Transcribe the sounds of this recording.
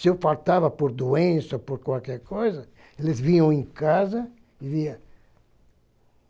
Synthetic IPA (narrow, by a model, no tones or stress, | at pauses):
sɪewfalt̪avɐpoɾd̪uẽsɐpoɾkwawkɛɾkojzɐ | elɪzvĩɲɐ̃w̃ẽkazɐ | ɪviɐ